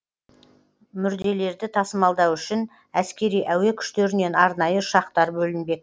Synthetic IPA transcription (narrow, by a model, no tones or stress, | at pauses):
mʏɾd̪e̞le̞ɾd̪ɪt̪ʰɑsəmɑlˠd̪ɑwʏʃɪn | æskʲe̞ɾijʔæwe̞kʲʰʏ̥ʃt̪e̞ɾɪne̞nɑɾnɑjəʃɑqt̪ɑɾbɵlɪnbe̞k̚